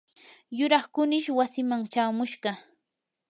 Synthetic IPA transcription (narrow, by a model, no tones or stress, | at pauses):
jʊɾɑχkʊnɪʃwasɪmaŋt͡ʃaːmʊʃɢɑ